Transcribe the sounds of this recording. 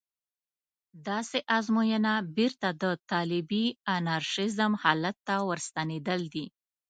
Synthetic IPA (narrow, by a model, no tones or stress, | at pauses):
d̪ɑseʔazmojənabiɾt̪ad̪ət̪ɑlɪbianaɾʃɪzəmhɑlat̪ːawəɾst̪aned̪əld̪i